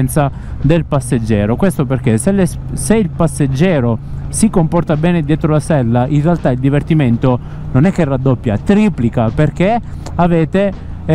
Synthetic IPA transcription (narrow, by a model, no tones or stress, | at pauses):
nt̪sa | d̪elpasːed͡ʒːɛːɾokwest̪operkeseles | seilpasːed͡ʒːɛːɾosikompɔrt̪abɛːned̪jeːt̪ɾolasɛlːaʔinrːealt̪aild̪ivert̪iment̪o | nonɛkːerad̪ːopːjat̪ɾiːplikaperk̟e | aveːt̪e